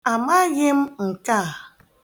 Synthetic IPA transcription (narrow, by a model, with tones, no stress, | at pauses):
a˨ma˦ɣɪ˦m̩˦ŋ̩˨ka˦˨